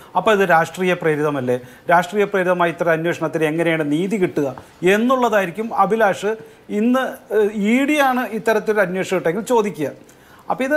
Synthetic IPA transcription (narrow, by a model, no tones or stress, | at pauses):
ɐpːoːiðɨɾaːʂʈriːjɐprɐɾiðɐmɐlːe̞ | ɾaːʂʈriːjɐpreɾiðɐmaːjit̪ːɐrɐɐnwe̞ːʂɐɳɐt̪ːine̞ŋːɐne̞jaːɳɨniːðikiʈːuɣɐ | e̞nːuɭːɐðaːjiɾikʲːumɐbʱilaːʂɨ | inːɨiːɽijaːɳɨit̪ːɐɾɐt̪ːoɾɐnwe̞ːʂɐɣiʈːe̞ŋɡilt͡ɕo̞ːd̪ikʲːuɣɐ | ɐpːɐiðɨ